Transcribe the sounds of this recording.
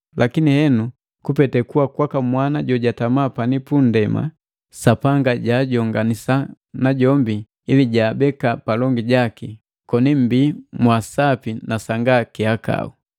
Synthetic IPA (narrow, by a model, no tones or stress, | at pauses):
lʔakinihɛnu | kupɛtɛkuwakwakamwanaɟɔɟatamaːpanipundɛma̰ | sapaŋɡaɟaːɟɔŋɡanisa | naɟɔmbi | iliɟaːbɛkapalɔŋɡiɟaki | kɔnim̩biːmwasapinasaŋɡakiaka̰u